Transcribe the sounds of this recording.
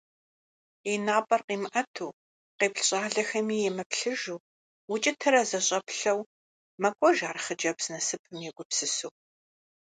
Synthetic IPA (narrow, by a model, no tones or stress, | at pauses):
enaːpʼɐrqiːmʔɐtʰuː | qeːpɬɕʼaːɮɐxɐmiːjɛmɐpɬɨʒuː | wʊt͡ʃʼɪtʰɐɾɐzɐɕʼɐpɬɐw | mɐkʷʼɔʒaːrχəd͡ʒɐpsnɐsɨpʰɨmjɛɡʷʼʊpsɨsu